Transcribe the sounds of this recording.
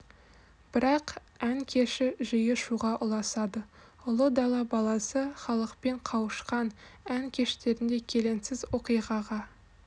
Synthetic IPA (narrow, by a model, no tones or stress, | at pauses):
b̥ɪɾɑq | æŋkʲʰe̞ʃɪʒəjəʃuʁɑʔʊlˠɑsɑd̪ə | ʊlˠəd̪ɑlˠɑbɑlˠɑsəχɑlˠəqpe̞ɴqʰɑwəʃqɑnæŋkʲʰe̞ʃt̪e̞ɾɪnd̪e̞kʲʰe̞le̞nsɪzwo̞qijʁɑʁɑ